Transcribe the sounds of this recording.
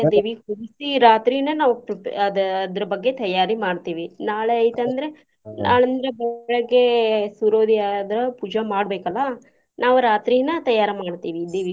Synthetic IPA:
d̪iːʋihuɽisiɾaːt̪ɾijnɐnaːʋuɐd̪ɐd̪ɐɾɐbɐɡːe̞t̪ɐjaːɾimaːɖt̪iːʋinaːɭeɐjt̪ɐnd̪ɐɾe̞ | nʔaːɳɐnd̪ɾɐbɐɭɐɭɐɡe̞suɾoːd̪iaːd̪ɐɾɐpuːd͡ʒɐmaːɽbeːkɐlːɐ | naːʋuɾaːt̪ɾijnɐt̪ɐjaːɾɐmaːɽt̪iːʋid̪iːʋi

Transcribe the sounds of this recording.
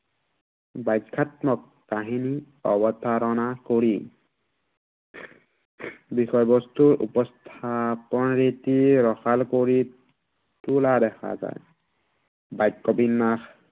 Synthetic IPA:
bajkʰːat̪mɔkːaɦini | ɔbɔt̪ʰaɾɔnakoɹi | bixɔjbɔst̪uɹṵpɔst̪ʰapɔnɹitiɹɔxalkoɹi | tulad̪ɛxa̰za̰j | bajkːɔbinːax

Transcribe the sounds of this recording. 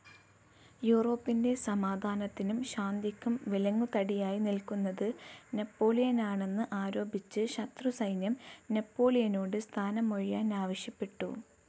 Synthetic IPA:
juːro̞ːpːinde̞sɐmaːd̪ʱaːnɐt̪ːinumɕaːnd̪ikʲːumʋilɐŋːut̪ɐɽijaːjinilkunːɐðɨne̞pːo̞ːlijɐnaːɳe̞nːɨʔaːɾo̞ːbit͡ɕːɨɕɐt̪rusɐjnjɐmne̞pːo̞ːlijɐnoːɽɨst̪ʰaːnɐmo̞ɻijaːnaːʋɐɕjɐpːe̞ʈːṵ

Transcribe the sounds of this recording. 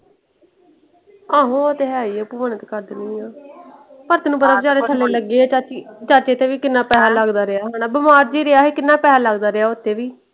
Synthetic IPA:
aːɦõːət̪eːɦaːiːeːpuːmənət̪kəɾd̪nĩːaː | pəɾt̪eːnũːpət̪aːbd͡ʒaːɾeːt͡ʃʰəlːeːləɡːeːt͡ʃaːt͡ʃit͡ʃaːt͡ʃeːt̪eːʋiːkɪnːaːpɛːaːləɡd̪aːɾeaːɦanaːbəmaːɾd͡ʒiːɾeaːɦeːkɪnːãːpɛːaːləɡd̪aːɾɪaːʊt̪ʰːeːʋiː

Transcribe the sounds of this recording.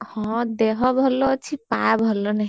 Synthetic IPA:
hɔ̃d̪eɦɔbʱɔlːɔt͡ʃʰipabʱɔlːɔnəɦi

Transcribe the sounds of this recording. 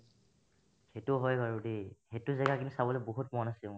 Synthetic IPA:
xetuɦɔjkaɹudixetʊzɛɡakintusabɔlɔboɦutmɔnasi

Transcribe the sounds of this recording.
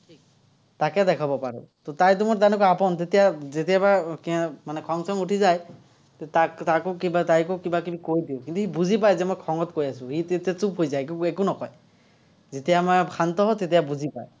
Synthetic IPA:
tʰi | takɛdɛkʰabɔpaɹɔ̰totajt̬ʊmɔtanɔkapɔntetijazetiabaɹkmanɛkʰɔŋsɔŋutʰizaj | tɛtaktakʊkibatajkʊkibakibikojdiʊ̃kintuhibuzip̬ajzɛmɔjkʰɔŋɔtkojasʊ̃hitetasupɦojzajkuɛkunɔkɔj | zetijamɔjkʰantɔɦɔtet̬ijabuzipa̰j

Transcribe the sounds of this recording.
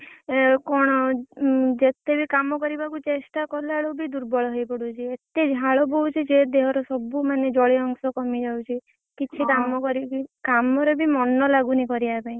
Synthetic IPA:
kɔɽ̃ɔ | d͡ʒet̪ebikamɔkɔɾibakut͡ʃesʈakɔlaɭubid̪uɾbɔɭɔɦɔjpɔɽut͡ʃʰiet̪ed͡ʒʱaɭɔbɔwt͡ʃʰid͡ʒed̪eɦɔɾɔsɔbumaned͡ʒɔɭiɔŋsɔkɔmid͡ʒawt͡ʃʰi | kit͡ʃʰikamɔkɔɾibikamɔɾebimɔnɔlaɡunikɔɾiapaĩ

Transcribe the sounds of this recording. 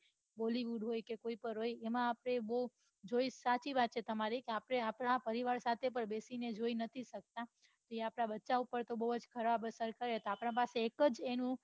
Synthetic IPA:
boliʋuɖɦojkekoipəɾɦojemãːpɽ̃ebo | d͡ʒoisat͡ʃiʋat̪ːt͡ʃʰet̪əmaɾikeapɽ̃eapɽapəɾiʋaɾsat̪ʰep̬əɾbesined͡ʒoinət̪ʰiʃək̚t̪a | t̪oeapɽabətːʃaupəɾt̪obəɦud͡ʒkʰəɾʋabəsəɾkəɾet̪oapɳãpaseːkəd͡ʒenũ

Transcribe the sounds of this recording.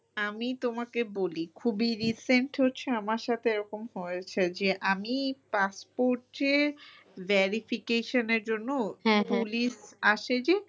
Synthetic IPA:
amit̪omakebolikʰubiɾiseɳʈɦotːɕʰeamaɾʃat̪ʰeeɾɔkomɦojet͡ɕʰed͡ʑeʔamipaspoɾʈeɾ | vɛɾifʰikeʃoneɾd͡ʑonːopuliʃaʃed͡ʑe

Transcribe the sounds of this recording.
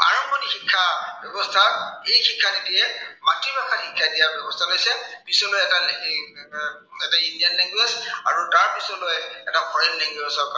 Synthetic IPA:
a̰ɹɔmbʱɔnihikʰːabjɔbɔst̪ʰaejkikʰːadidiematːibakʰahikʰːadijabjɔbɔst̪ʰalojsɛbisɔlojɛta | ɛtaindijanlɛŋɡwesa̰ɹutaɹbisɔlojɛtapʰɔjllɛŋɡwesɔka

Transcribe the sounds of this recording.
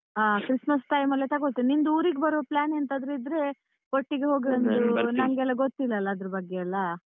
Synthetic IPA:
aːkɾismɐsʈɐjmɐlːet̪ʰɐɡost̪inind̪uuːɾiɡebɐɾuʋɐplaːnent̪ɐnd̪ɾeid̪ɾe̞ | koʈːiɡeɦo̞ːɡiɾond̪unɐŋɡɛlːɐɡot̪ːilːɐːlːɐːd̪ɾɐbɐɡːeɐlːɐ

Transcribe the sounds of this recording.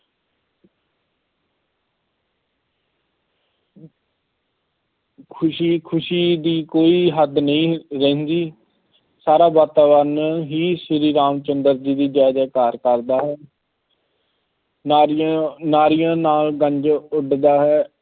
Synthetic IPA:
kʰiːkʰʊʃiːd̪iːkoːiːɦəd̪nəĩːɾəːnd͡ʒ̪iː | saːɾaːbaːt̪aːʋəɾnɦiːsɪɾiːɾaːmt͡ʃənd̪əɾd͡ʒiːd̪iːd͡ʒaːd͡ʒaːkaːɾkəɾd̪aːɦɛː | naːɾɪjãːnaːlɡəɲd͡ʒʊɖd̪aːɦɛː

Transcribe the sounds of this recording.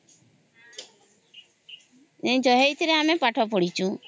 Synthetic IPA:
ɛ̃d͡ʒɔɦeit̪ɾeamepaʈʰɔp̬ɔɽit͡ʃʰũ

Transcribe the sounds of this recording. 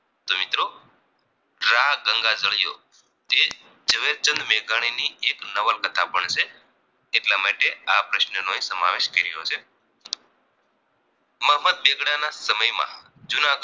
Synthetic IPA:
t̪omɪt̪ɾo | ɾaɦɡəŋɡad͡ʒəɭjo̰ | t̪e | d͡ʒəʋeɾt͡ʃənd̪meɡaɽ̃iniʔeknəʋəlkət̪ʰa̰bəɳt͡ʃʰeː | ʈlamaʈeapɾəʃnənoesəma̰ʋeʃkəɾijo̰t͡ʃʰe | məɦməd̪̚beɡɽanasəməjmã̰ | d͡ʒunaɡ

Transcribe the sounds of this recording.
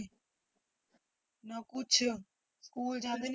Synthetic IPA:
nəkʊt͡ʃʰ | skuːld͡ʒãːnd̪en

